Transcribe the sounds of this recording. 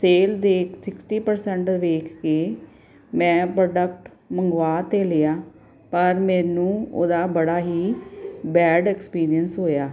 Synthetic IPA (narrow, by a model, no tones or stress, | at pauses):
seːld̪eːkʰsɪksʈiːpəɾsɛɳʈʋeːkʰkeː | mɛ̃ːpɾoːɖəkʈ | məŋɡʋaːt̪eːleaː | pəɾmɛ̃ːnũːo̰ːd̪aːbəɽaːɦiːbɛːɖɛːkspiːɾiənsɦoːjaː